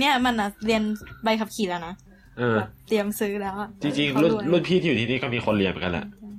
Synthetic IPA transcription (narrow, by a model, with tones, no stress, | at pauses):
ni˦˥ɐ˨ma˧nʔa˨˩li˧ənba˧jkʰa˧˩p̚kʰiː˨˩lɛː˦˧˩na˦˥ | ʔɤː˧˩t̪i˧əmsɯ˦˥lɛː˦˥wa˨˩ʔt͡ɕi˧ŋt͡ɕi˧ŋlu˥˩˧lu˥˩pʰiː˥˩iː˧u˨˩iː˧niː˧˥˩kɔː˧˥˩miː˧˩xʰo˧nli˧əm˨˩ka˧nla̰˧˩ʔ